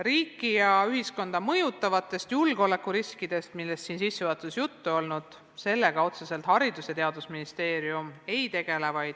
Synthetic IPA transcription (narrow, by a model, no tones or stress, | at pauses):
riːkːˑijɑyɦisko̞nd̪̥ɑmɤjut̪ːˑɑvɑt̪ːˑe̞st̪julɡ̥o̞le̞kːˑuɾiskid̪e̞st̪milːe̞st̪siːnsisːuvɑt̪ːˑusjut̪ːuo̞lnud̪̥ | se̞lːe̞ɡ̥ɑo̞t̪sese̞lt̪hɑɾid̪usjɑt̪e̞ɑd̪usminist̪e̞ːɾiume̞jt̪e̞ɡ̥e̞le̞vɑjd̪̥